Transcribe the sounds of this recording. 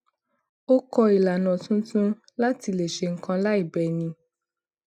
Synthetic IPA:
o˦kɔ˧i˨la˨nɔ̃˨tũ˦tũ˦ | la˦ti˧le˨ʃe˨ŋ̩˨kã˧la˦i˦˨bɛ˨nĩ˧

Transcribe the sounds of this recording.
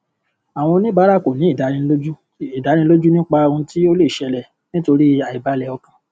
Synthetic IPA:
a˨w̃ɔ̃˧nĩ˦ba˨˦ɾa˦˨ko˨nĩ˨˦i˦˨da˨˦ĩ˧lo˦u˦ | i˨da˨˦ɾĩ˧˦lo˦d͡ʒu˦nĩ˦k͡pa˧ɾũ˧ti˦o˦le˦˨ʃɛ˧lɛ˨ | nĩ˦to˧ɾi˦a˨i˨ba˨˦lɛ˧ɔ˧kã˧

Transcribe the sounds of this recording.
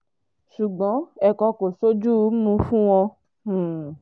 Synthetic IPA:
ʃu˨ɡ͡bɔ̃˨˦ɛ˧kɔ˧ko˨so˦d͡ʒu˦˨˦mũ˧˦fũ˦w̃ɔ̃˧˨

